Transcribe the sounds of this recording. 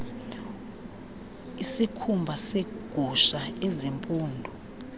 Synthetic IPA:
isikʰumbʱaseɡ̥ʱuʃaezimpʼuːndʱɔ

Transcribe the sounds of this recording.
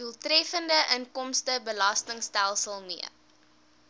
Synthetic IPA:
uəlˠtrɛfəndəʔəŋkɔmstəbəlɐstəŋstælˠsəlˠmiə

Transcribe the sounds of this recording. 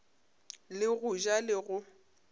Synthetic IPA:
lɪɣʊʒalɪɣʊ

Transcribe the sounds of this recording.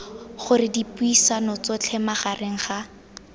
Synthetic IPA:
χʊrɪdipuisanʊt͡sɔt͡ɬʰɛmaχarʔeŋ̩χa

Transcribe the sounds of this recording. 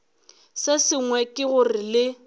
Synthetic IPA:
sɪsɪŋwɛkʼɪɣʊrɪlɪ

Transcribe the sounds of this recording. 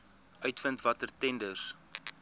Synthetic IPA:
œɥtfəntvɐtərtɛndərs

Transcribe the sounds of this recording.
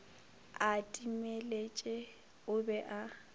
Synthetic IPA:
atʼimelet͡ʃʼɛ | ʊbɛʔa

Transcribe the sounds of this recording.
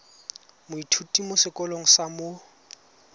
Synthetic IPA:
mʊitʰutʼimosɪkʼɔloŋ̩samo

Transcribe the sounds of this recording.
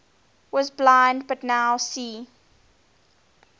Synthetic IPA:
wɔzblãɪ̃nd̚batnaʊsiː

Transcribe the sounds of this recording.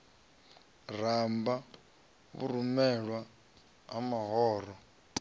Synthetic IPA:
r̤amba | βṵɾumɛɺwa | ɦamaɦɔːɾɔ

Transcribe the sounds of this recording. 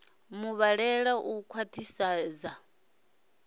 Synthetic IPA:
muβaɺɛɺaʔukʰwatʰisaːd͡za

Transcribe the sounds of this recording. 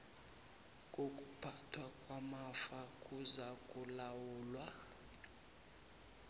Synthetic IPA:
kʼokʼub̥ʱatʰwakʼwamafakʼuzakʼulawuːlwa

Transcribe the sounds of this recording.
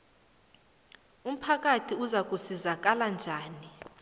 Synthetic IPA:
um̩pʰak̬ʼatʰiuzak̬ʼusizak̬ʼaland͡ʒʱaːni

